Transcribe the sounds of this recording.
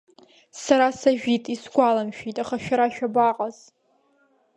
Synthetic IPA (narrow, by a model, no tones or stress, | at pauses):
saɾasaʒᶣitʼisɡʷalamʃᶣitʼaχaʃᶣaɾaʃᶣabaqʼaz̥